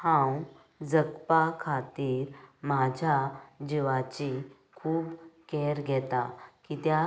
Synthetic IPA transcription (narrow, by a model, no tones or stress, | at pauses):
hãw | d͡zəkpakʰat̪iːɾmad͡ʑʱjad͡ʑiʋat͡ɕi | kʰuːbkɛɾɡʱɛt̪akit̪ja